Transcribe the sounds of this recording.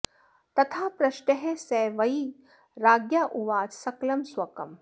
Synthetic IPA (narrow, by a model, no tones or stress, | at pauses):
t̪ɐt̪ʰaːpɾɐʃʈeɦesɛːʋɐi | ɾaːɡjaːʔuʋaːd͡ʒsɐklɐmswɐkɐm